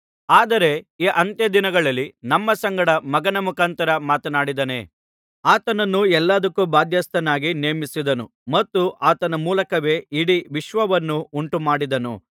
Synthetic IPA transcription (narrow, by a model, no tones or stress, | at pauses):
aːd̪ɐɾe̞iːʔɐnt̪jɐd̪inɐɡɐɭɐlːinɐmːɐsɐŋɡɐɽɐmɐɡɐnɐmukʰaːnt̪ɐɾɐmaːt̪ɐnaːɽid̪ɐnḛː | aːt̪ɐnɐnːuɛlːaːd̪ɐkːubaːd̪ʱjɐst̪ɐnaːɡineːmisid̪ɐnu | mɐt̪ːuʔaːt̪ɐnɐmuːlɐkɐʋe̞ːiɽiʋiʃʋɐʋɐnːuuɳʈumaːɽid̪ɐnṵ